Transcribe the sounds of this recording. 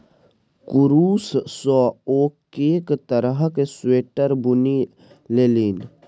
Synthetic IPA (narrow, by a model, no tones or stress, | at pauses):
kʊɾuːssɔoːkeːkt̪əɾəɦkesweːʈəɾbʊni | leːliːn